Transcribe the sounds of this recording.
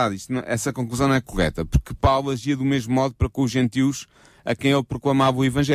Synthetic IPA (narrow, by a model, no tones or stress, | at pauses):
aðiʃt̪unɐ̃ʔɛsɐkõŋkluzɐ̃nɐ̃w̃ɛkuʁɛ̰t̪ɐpuɾkɨpawlˠɐʒiɐðumeʒmumɔðupɐɾɐkõuʒẽnt̪iwʃ | ɐ̰kɐ̃j̃elˠpɾuklˠɐmavɐuivɐ̃ʒɛ